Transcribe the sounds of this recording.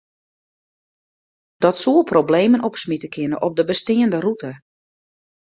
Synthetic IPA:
d̥ɔtsuəlˠpʰrobleːmənɔpsmitəkʰɪnəʔɔp̚dəbəstɪːəndərutə

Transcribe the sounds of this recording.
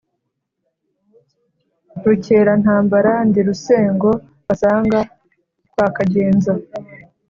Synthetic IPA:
ɾuce̞ːɾan̥haːmbaɾandiɾuse̞ːŋɡo̞ | βasaːŋɡa | kwaːkaɟeːnza

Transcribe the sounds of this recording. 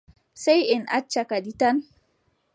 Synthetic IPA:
sajɪnʔat͡ʃːakaditan

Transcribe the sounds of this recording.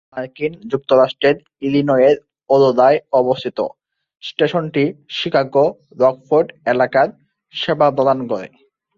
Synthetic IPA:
maɾkind͡ʑuk̚t̪oɾaʃʈɾeɾ | ilinɔjeɾ | ɔd̪od̪aeɔbost̪ʰit̪o̰ | sʈeʃonʈiʃikʰaɡo | ɾɔɡfoɾɖelakaɾ | ʃebʱabɔd̪ankɔɾḛ

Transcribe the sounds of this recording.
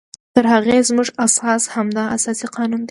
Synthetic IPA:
t̪əɾhaɣezmuʐasɑshamd̪ɑʔasɑsiqɑnund̪e

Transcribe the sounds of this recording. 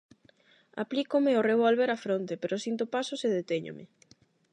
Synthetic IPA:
a̰plikomeoreβ̞olβeɾafɾont̪epeɾʔosint̪opasoseðet̪eɲo̰mɪ̰

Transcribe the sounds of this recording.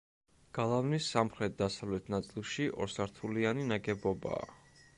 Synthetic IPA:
ɡ̥alˠavnisːamχɾɛt̪̚d̪asavlɛt̪ʰnat̪sʼilˠʃiʔɔɾsaɾt̪ʰulianinaɡɛbɔba̰ː

